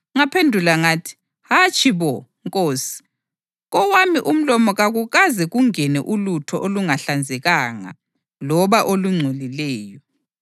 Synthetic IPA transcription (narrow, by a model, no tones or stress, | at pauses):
ŋapʰendʱulaŋaːtʰi̥ | hat͡ʃʼʰiβɔŋkʼoːsi̥ | ɣɔwamiʔum̩lɔmɔɣaɣuɣazɛɣuŋɛnɛʔulutʰɔʔoluŋaɬand͡zʱɛɣaːŋa̰ | lɔβaʔoluŋ͡ǀʱolilɛːjɔ